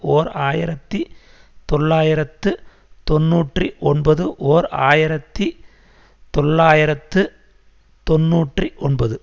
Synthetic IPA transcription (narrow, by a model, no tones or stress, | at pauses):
ʔoːɾaːjɪɾɐt̪ːi | t̪ɔɭːaːjɪɾɐt̪ːɯ | t̪ɔnːuːʈriʔɔnbɐðɯʔoːɾa̰ːjɪɾɐt̪ːi | t̪ɔɭːaːjɪɾɐt̪ːɯ | t̪ɔnːuːʈriʔɔɳbɐðɯ